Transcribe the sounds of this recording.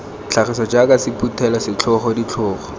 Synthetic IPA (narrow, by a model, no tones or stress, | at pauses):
t͡ɬʰaχisɔd͡ʒakasɪputʰɛlɔsɪt͡ɬʰɔχɔdit͡ɬʰɔːχɔ̥